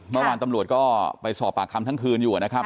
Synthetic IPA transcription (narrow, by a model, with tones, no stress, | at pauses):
mɯ˥˩ɐwaː˧nt̪a˧mɾu˨˩ət̪̚kɔː˥˩pa˧jsɔː˨˩pːaː˨˩kʰːa˧mt̪ʰa˥ŋkʰɯː˧njuː˨˩na˦˥kʰa˦˥p̚